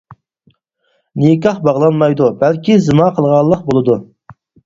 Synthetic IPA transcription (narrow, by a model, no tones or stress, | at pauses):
nikɑχbɑʁlˠɑnmɑjd̪ubælkʲizɨmɑqʰəlˠʁɑlˠːəq̚bolˠɨd̪u